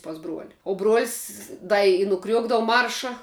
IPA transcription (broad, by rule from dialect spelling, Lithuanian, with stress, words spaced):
pɐs ˈbruɔlʲɪ oː bruɔlʲsʲ ˈdɐ ɪ nʊˈkrʲuɔɡdɐʋʊ ˈmɐrʃɐ